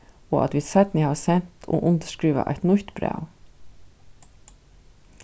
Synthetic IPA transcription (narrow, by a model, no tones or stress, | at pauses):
oːʔɑ̰t̪ʋɪsɛt̪nɪhɑːsɛnt̪ʰo̰ːʔʊnd̪əʃkɾiːʋɑ̰ʔæ̰ɪt̪nʉçt̪bɾɑ̰ʉ